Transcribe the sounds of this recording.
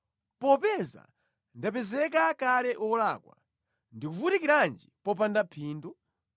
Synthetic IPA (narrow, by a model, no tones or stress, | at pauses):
pɔpɛza̰ | ndapɛzɛk̬akalɛʔɔlaːkwa̰ | ndikufutikiɾand͡ʒipɔp̬andapʰiːndɔ